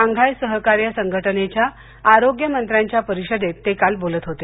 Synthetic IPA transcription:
aŋɡʱajsəɦəkaɾjəsəŋɡʱəʈənet͡ɕjaː | ɾoɡjəmənt̪ɾjaɲt͡ɕjapəɾiɕəd̪ʱet̪ːekalbolət̪ɦot̪e

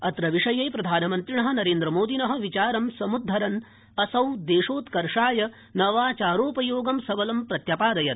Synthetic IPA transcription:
ɐt̪ɾɐʋiʂɐjeːpɾɐd̪ʱaːnɐmɐnt̪ɾiɳɐɦɐ̆nɐɾeːnd̪ɾɐmoːd̪inɐɦɐ̆ʋit͡ʃaːɾɐmsɐmud̪ʱːɐɾɐn | ɐsɐwd̪eːʂoːt̪kɐɾʂaːjɐ | nɐʋaːt͡ʃaːɾoːpɐjoːɡɐmsɐʋɐlɐmpɾɐt̪japaːd̪ɐjɐt̪̚

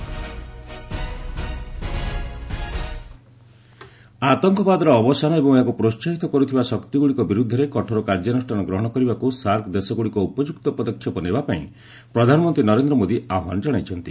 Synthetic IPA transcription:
at̪ɔŋkɔbad̪ɔɾɔːbɔsanɔebɔŋakupɾost͡ʃaɦit̪ɔkɔɾut̪ʰibasɔkt̪iɡuɭikɔbiɾud̪ʱːɔɾekɔʈʰɔɾɔkaɾd͡ʒanɔsʈanɔɡɾɔɦɔɽ̃ɔkɔɾibakusaɾkʰd̪esɔɡuɭikɔupɔd͡ʒukt̪ɔpɔd̪ɔkʰːjɔpɔnebapaḭ̃ | pɾɔd̪ʱanɔmɔnt̪ɾinɔɾend̪ɾɔmod̪iaɦa̰nɔd͡ʒɔɽ̃ajt͡ʃʰɔnt̪i

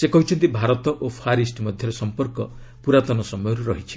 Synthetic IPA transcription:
sekɔɦit͡ʃʰɔnt̪ibʱaɾɔt̪ɔʔopʰaɾisʈmɔd̪ʱjɔɾɔsɔmpɔɾkɔ | puɾat̪ɔnɔsɔmɔjɔɾuɾɔɦit͡ʃʰi̥

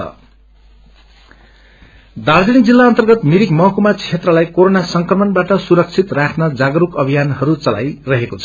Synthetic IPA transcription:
ʌ̰ | d̪ard͡zʌnik̚d͡zilːaʌnt̪ʌrɡʌt̪miɾikmʌɦkumat͡sʰet̪rʌlajkoɾonasʌŋkrʌmʌnbaʈʌsuɾʌk̚t͡sʰit̪rakʰnʌd͡zaɡʌɾukʌbʱijanhʌɾut͡sʌla̰jrʌɦekot͡sʰʌ

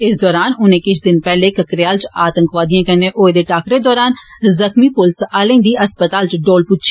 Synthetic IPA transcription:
ɪsd̪ɔːɾaːnʊnẽːkɪt͡ʃʰd̪ɪnpɛːlekəkɾejaːlt͡ʃaːt̪ə̃ŋkʋaːd̪ijãːkɛnẽːʔoːed̪eːʈaːkɾed̪ɔːɾaːnzəxmiːpʊlsaːlẽːd̪iːəspət̪aːlt͡ʃɖoːlpʊt͡ʃʰː

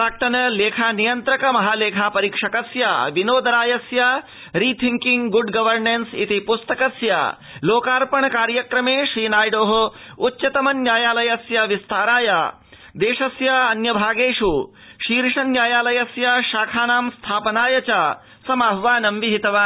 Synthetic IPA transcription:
ɾaːk̚ʈ̪ɐnɐleːkʰaːnijɐnt̪ɾɐkɐmɐɦaːleːkʰaːpɐɾiːkʂɐkɐsja̰ːʋinoːd̪ɐɾaːjɐsja | ɾiːt̪ʰiŋkiŋɡɡuɖɡɐʋɐɾnensḭt̪ipust̪ɐkɐsja̰ | loːkaːɾpɐɳɐkaːɾjɐkɾɐmeːʃɾiːnaːjɖoːɦɐ | utːt͡ʃɐt̪ɐmɐnjaːjaːlɐjɐsjaʋist̪ʰaːɾaːjaː | d̪eːʃɐsjaɐnjɐbʱaːɡeːʂu | ʃiːɾiʂɐnjaːjaːlɐjɐsjaʃaːkʰaːnaːmst̪ʰaːpɐnaːjɐt͡ʃaː | sɐmaɦʋaːnɐmʋiɦit̪ɐʋaː

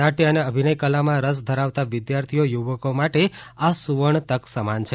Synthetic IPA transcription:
aʈiəneəbʱinəjkəlamãɾəs̬d̪ʱəɾaʋt̪aʋɪd̪jaɾt̪ʰijojuʋəkomaʈeasuʋəɳt̪əksəmant͡ʃʰe

